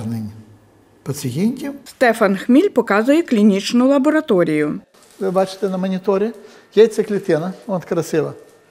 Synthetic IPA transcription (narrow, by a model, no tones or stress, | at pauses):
nɪnʲ | pɐt͡s̪ʲɪɦʲinʲtʲimst̪ɛfɐnxmʲilʲpɔkɑzʊjɛklʲinʲit͡ʃnʊlˠɐbɔɾɐt̪ɔɾʲijʊ | ʋɪbɑt͡ʃɪ̥t̪ɛnɐmɔnʲɪt̪ɔɾʲɪ | jɛjt̪sʲɛklʲɪt̪ɪnɐɔt̪kɾɐsɪlˠɐ